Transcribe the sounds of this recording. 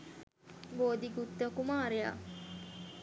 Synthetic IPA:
boːd̪iɡut̪ːəkumaːɾeja̰

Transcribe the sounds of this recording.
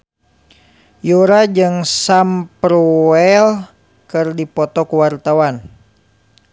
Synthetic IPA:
juɾad͡ʒɨŋsampɾuɛl | kɨrdipɔt̪ɔkuwart̪awan

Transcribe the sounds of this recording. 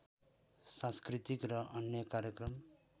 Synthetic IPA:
sãnskrit̪ikrʌʔʌnjʌkaɾjʌkrʌm

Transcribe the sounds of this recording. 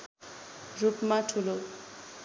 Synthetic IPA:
rupmatʰulo

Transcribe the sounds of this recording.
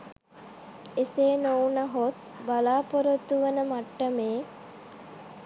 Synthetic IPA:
eseːnownaɦot̪̚ | balaːpoɾət̪uʋənəmaʈːəmeː

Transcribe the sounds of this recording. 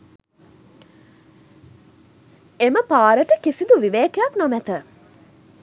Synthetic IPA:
eməpaːɾəʈəkisid̪uʋiʋeːkejaknɔmæt̪ə

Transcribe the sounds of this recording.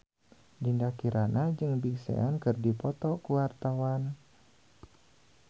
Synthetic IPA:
d͡ʒindakiɾanad͡ʒɨŋbiksɛ̰ankɨrdipɔt̪ɔkuwart̪awan

